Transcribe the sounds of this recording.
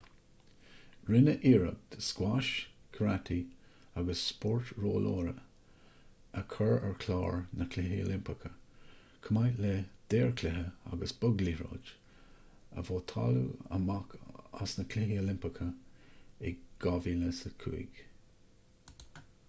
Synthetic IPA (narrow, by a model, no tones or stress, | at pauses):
ɹɪnəʔiːɹəp̚d̪əskwaʃkʰəɾat̪ʰiaɡəsːpɔɹt̪ɹoːloːɾə | əkʰəɹɛɹkʰlɑːɹnəkʰlɪɦio̰lɪmpəkʰə | kʰəmajled̪̥eːɹkʰlɛɦəa̰ɡəsbʊɡliɹo̰ːd͡ʒ | ə̰voːt̪ʰɑ̰lṵə̰makʰa̰snəkʰlɪɦiolɪmpəkʰə | ɛɡ̥ɑviːləsəkʰṵḭɡ̥